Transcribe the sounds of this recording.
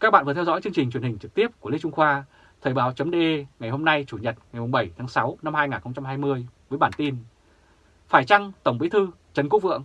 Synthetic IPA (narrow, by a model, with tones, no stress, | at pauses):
ka˦˥k̚ɓa̰ː˧˨vːt̪ʰzɔ̰˧˥jt͡ɕɨ˧əŋt͡ɕi˨˩ŋ̟t͡ɕwnhï˨˩ŋ̟t͡ɕɨ˨˩k̚t̪i˦˥əp̚ku˧˩əle˧t͡ɕʊ˧ŋ͡mxwaː˧ | t̪ʰəː˨˩ɓaː˨˦wt͡ɕə˨˦mɗe˧ʔŋa˨˩jɦo˧mna˧jt͡ɕu˧˩ɲə˨˩t̚ŋa˨˩jmʊ˨˩ŋ͡mɓə˧˩jt̪ʰaː˨˦ŋsa˨˦wna˧mhaː˧jŋaː˨˩nxə˧ŋ͡mt͡ɕa˧mɦaː˧jmɨ˧əjvəː˨˦jɓaː˧˩nt̪i˧n | faː˧˩jt͡ɕa˧ŋt̪ə˧˩wŋ͡mɓi˨˦t̪ʰɨ˧ | t͡ɕə˨˦nku˦˥k̚vɨ̰˧˨əŋ